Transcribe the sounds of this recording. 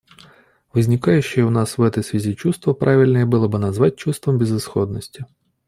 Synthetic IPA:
ʋɪzʲnʲikɑjɛʃt͡ʃɔʊnɑsʋɛt̪ɪsʲʋʲɐzʲit͡ʃust̪ʋɐpɾʔɑʋʲilʲnɛjɛbɨlˠɔbɨnɐzʋɑt̚ʲt͡ʃust̪ʋɔmbʲizɪsxɔd̪nɔsʲtʲi

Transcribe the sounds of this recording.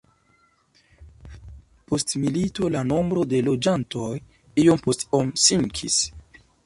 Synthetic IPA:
po̞stmilito̞lano̞mbɾo̞de̞lo̞d͡ʒanto̞j | ijo̞mpo̞stomsiŋkʰḭs

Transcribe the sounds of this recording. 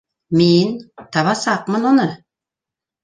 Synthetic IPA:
ment̪ʰɑβɑsɑq̚mənwonə

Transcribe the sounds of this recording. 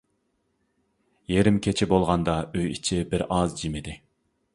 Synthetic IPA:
jeɾɪmkʲʰet͡ʃʰɪbolˠʁɑnd̪ɑøjit͡ʃʰɪbɪɾɑzd͡ʒimɪd̪ɪ

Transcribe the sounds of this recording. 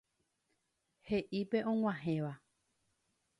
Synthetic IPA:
he̞ʔipe̞ʔõŋw̃ãɦẽʋa

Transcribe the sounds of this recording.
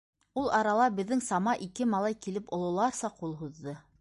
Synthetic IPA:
ulˠʔɑɾɑlˠɑbɘ̆ðːɘŋsɑmɑʔikɘmɑlˠɑjkilɘpŏlˠŏlˠɑɾsɑqulˠɦuðːɤ

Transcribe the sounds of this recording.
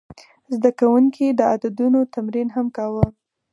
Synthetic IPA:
zd̪akawuŋkʰid̪əad̪ad̪unot̪amɾinɦamkɑwə

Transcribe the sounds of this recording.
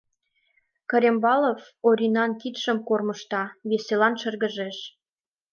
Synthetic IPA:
kɤ̆ɾʲembɑlof | oɾʲinɑnkit̪ʃə̆mkorməʃt̪ɑβeselɑnʃə̆rɣə̆ʒeʃ

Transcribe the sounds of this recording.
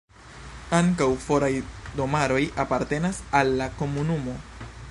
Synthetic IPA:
aŋkawfo̞ɾajdo̞maɾo̞japaɾte̞nasalːako̞munumo̞

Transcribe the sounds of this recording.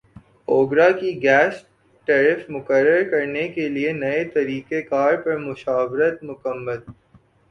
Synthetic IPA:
oːɡɾakiɡɛːs | ʈɛːɾɪfmʊkəɾːəɾkɐɾnekelienɐet̪ɐɾiːkekaːɾpɐɾmʊʃaːʋɾət̪̚mʊkəmːəl

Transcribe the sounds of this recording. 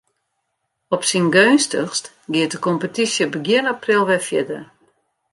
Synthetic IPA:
ɔpsinɡøːnstəxst | ɡɪət̚dəkɔmpətisjəbəɡjɪənaprɪlˠʋɛfjɪdə

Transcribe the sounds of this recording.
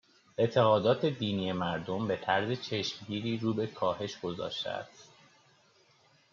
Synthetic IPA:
ʔe̞t̪ʰe̞ɣɒːd̪ɒːt̪ʰe̞d̪iːniːje̞mæɾd̪o̞mbe̞t̪ʰæɾze̞t͡ʃʰe̞ʃmɟiːɾiːɾuːbe̞kʰɒːhe̞ʃɡ̥o̞zɒ̰ːʃt̪ḛæ̰st̪

